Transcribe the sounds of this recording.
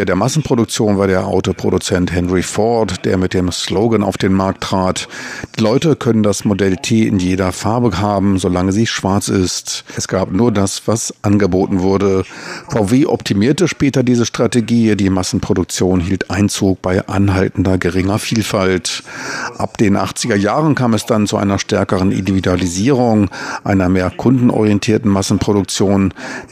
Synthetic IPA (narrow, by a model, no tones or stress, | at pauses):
deːɐmasn̩pʁ̥odʊk̚t͡sjoːnvaːɐdeːɐʔa̰ʊtopʁ̥o̰dut͡sɛnthɛnʁifɔːtd̥ḛːɐmɪt̚d̥eːmsloʊɡəna̰ʊfd̥eːnmaɐk̚tːʁ̥aːtd̥iːlɔʏtəkʰœnəndasmodɛltʰeːɪnjeːɾɐfaɐbəhaːbm̩zolaŋəziːʃv̥aɐt͡sɪstɛsɡ̥aːpnuːɐdasv̥asʔanɡəboːtn̩vʊɐdəfaʊveːʔɔptʰimiːɐtəʃpɛːtɐdiːzəʃtʁ̥ateɡiːdiːmasn̩pʁ̥odʊk̚t͡sjoːnɦiːltʔaɪnt͡suːk̚b̥aɪʔa̰nɦaltn̩dɐɡəʁɪŋɐfiːlfaltʔa̰pd̥eːnʔa̰χt͡sɪɡɐjaːʁ̞ənkʰaːmɛsd̥ant͡suʔa̰ɪnɐʃtɛɐkəʁ̞ənʔɪ̰ndividualiziːʁ̞ʊŋʔaɪnɐmeːɐkʰʊndn̩ʔɔ̰ʁijɛntʰiːɐtn̩masn̩pʁ̥oɾʊk̚t͡sjoːn